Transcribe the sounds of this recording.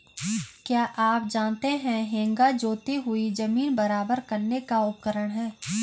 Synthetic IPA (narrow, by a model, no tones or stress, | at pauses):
kjaːʔaːp̚d͡ʒaːnt̪eɦɛ̃ɦẽːŋɡad͡ʒoːt̪iɦʊid͡ʒɐmiːnbɐɾaːbəɾkɐɾnekaʊp̚kəɾəɽ̃ɦɛ̃ː